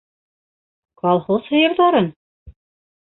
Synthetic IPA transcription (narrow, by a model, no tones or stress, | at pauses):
kɑlˠχoshɤ̆jɤ̆ɾðɑɾɤn